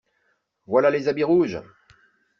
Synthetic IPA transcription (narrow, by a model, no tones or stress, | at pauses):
vwalalezabiʁuʒ